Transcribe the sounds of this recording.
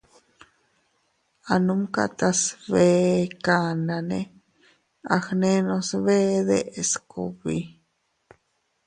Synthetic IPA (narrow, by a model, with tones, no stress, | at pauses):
anũ˦mka̰˧t̪a˧sβe˦kana˧ne˧ | a˨xnẽ˦nõ˧sβe˦ðe˦ʔe˨skṵ˧βi˧